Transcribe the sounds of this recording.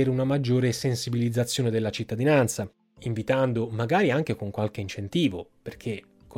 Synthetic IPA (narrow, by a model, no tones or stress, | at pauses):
eːɾunamad͡ʒːoːɾesensibilid̪zːat̪sːjoːned̪elːat͡ʃit̪ːad̪inant̪sa | iɱvit̪and̪omaɡaːɾiaŋk̟ekoŋkwalk̟eint͡ʃent̪iːvoperkʰe | kʰ